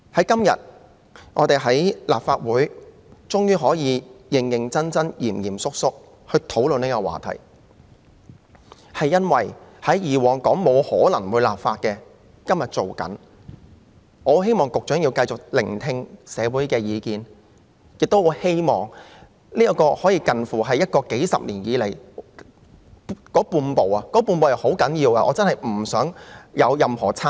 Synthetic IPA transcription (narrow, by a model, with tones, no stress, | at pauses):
hɐ˨˥jkɐ˥mjɐ̰˨t̚ | ŋʔɔː˨˧t̪e˨jɦɐ˨˥jlaː˨p̚faː˧t̚wuː˨˥j | t͡ʃʊ˥ŋjyː˥ɦɔː˨˥jiː˨˧jɪ˨ŋjɪ˨ŋt͡sɐ˥nt͡sɐ˥njiː˨˩mjiː˨˩msʊ˥k̚sʊ˥k̚ | hɵ˧t̪ʰo˨˥wlɵ˨niː˥kɔ˧wa̰ː˨t̪ʰɐ̰˨˩j | hɐ˨jːɐ˥nwɐ˨˩jhɐ˨˥jjiː˨wɔː˨˩ŋkɔː˨˥ŋmo˨˧whɔː˨˥lɐ˨˩ŋwuː˨˧jlaː˨p̚faː˧t̚kɛː˧ | kɐ˥mjɐ˨t̚t͡ʃo˨wkɐ̰˨˥n | ɔː˨˧he˥jmɔː˨˩ŋkʊ˨k̚t͡ʃœː˨˥ŋjiː˧wkɐ˧jt͡st͡ʃʊ˨k̚lɪ̰˨˩ŋt̪ʰɪ˧ŋsɛː˨˧wuː˨˥jkɛː˧jiː˨˧kiː˨n | jɪ˨k̚t̪o˥who˨˧he˥jmɔ̰ː˨˩ŋ | liː˥ɐ˥˧kɔː˧hɔː˨˥jiː˧kɐ˨nfuː˨˩ɦɐ˨jːɐ˥t̚kɔː˧ke˨˥jsɐ̰˨p̚liː˨˩njiː˨˧le˨˩j | kɔː˨˥puː˧npo˨wɐ˨kɔː˨˥puː˧npo˨wjɐ˨who˨˥wkɐ˨˥njiː˧wa˧ʔɔː˨˧t͡sɐ˥nhɐ˨˩jm̩˨˩sœː˨˥ŋjɐ˨˧wjɐ˨˧mhɔː˨˩t͡sʰaː˥